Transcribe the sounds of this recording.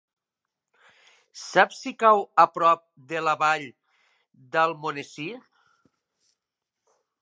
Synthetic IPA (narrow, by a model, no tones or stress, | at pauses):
sapsikawapɾɔp̚d̪elaβaʎ | d̪əlˠmonesi